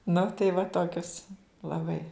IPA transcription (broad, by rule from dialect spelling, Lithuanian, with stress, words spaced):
nʊ tɐɪ ʋɐ ˈtoːkʲʊs lˠɐˈbɐɪ